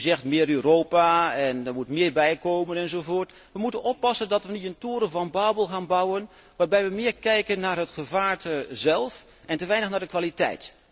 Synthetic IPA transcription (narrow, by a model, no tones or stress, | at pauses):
zɛxtmɪːɾøːroːpaɛndərmutmɪːɹbɛjkoːmənɛnzovoːɹt | ʋəmutənɔpɑsəndɔtʋənitəntuːɾəvɑnbaːbəlˠxaːnbɑwən | ʋaːɹbɛjʋəmɪːrkɛjkənːaːrɦətxəvaːɹtəzɛlˠf | ʔɛntəʋɛjnəxnaːrdəkʋalitɛ̰jt